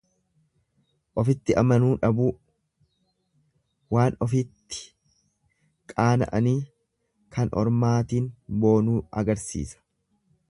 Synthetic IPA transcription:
ʔɔfɪt̪ːɪʔɐmɐnuːᶑɐbuː | waːnɔfɪt̪ːɪ̥ | kʼaːnɐ̰ʔɐniː | kʰɐnɔ̰ɾmaːt̪iːnbo̞ːnuːɐ̰ɡɐɾsḭːsɐ̥

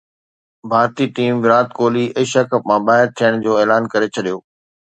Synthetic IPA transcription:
bʱaːɾt̪iʈiːmʋɪɾaːt̪koːliʔɐʃakəpmãbaːɦɪɾt̪ʰijəɽ̃d͡ʑoːeːlaːnkɐɾet͡ɕʰɐɗijoː

